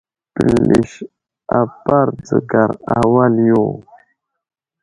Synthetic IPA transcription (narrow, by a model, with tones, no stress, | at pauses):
pə˨lːi˨ʃ | a˨pa˦ɾd͡zə˨ɡa˨ɾa˨wa˦ljo˦˨